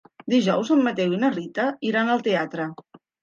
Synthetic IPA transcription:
d̪iʒɔwzəmmːət̪ewinərit̪əiɾanəlˠt̪eat̪ɾə

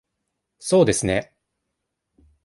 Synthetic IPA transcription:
so̞ːd̪e̞sɨne

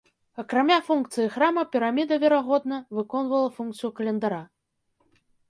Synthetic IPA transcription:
ɐkɾamʲafunk̚t̪sɨjixɾamɐpʲiɾamʲid̪ɐvʲɛɾaɣɔd̪̚nɐvɨkɔnvɐlˠɐfunk̚t̪sɨjukɐlʲɛnd̪aɾa

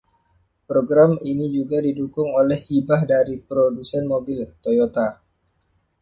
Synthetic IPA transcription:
pɾoɡɾaminid͡ʒuɡadidukʊŋolɛhibahdaɾipɾodusɛnmobilt̪ojot̪a

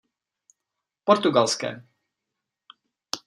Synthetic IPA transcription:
pɔɾt̪uɡalskɛ̰ː

